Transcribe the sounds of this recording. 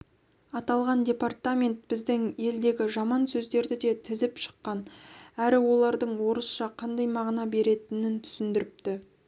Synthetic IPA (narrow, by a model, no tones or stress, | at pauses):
ɑt̪ɑlˠʁɑndʲe̞part̪amʲe̞nt̪̚bɪzd̪ɪŋje̞ld̪e̞ɡʲɪʒɑmɑnsɵzd̪e̞ɾd̪ɪd̪e̞t̪ʰɪzɪpʃə̥qːɑnæɾɪwo̞lˠɑɾd̪əɴwo̞ɾəsʃɑqʰɑnd̪ɑjmɑʁənɑbe̞ɾe̞t̪ɪnɪnt̪ʰʏ̥sɪnd̪ɪɾɪp̚t̪ɪ